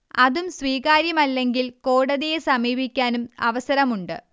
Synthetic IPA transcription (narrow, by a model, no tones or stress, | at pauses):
ɐðumsʋiːɣaːɾjɐmɐlːe̞ŋɡilkoːɽɐðijesɐmiːbʱikʲːaːnumɐ̰ʋɐsɐɾɐmuɳɖɨ̰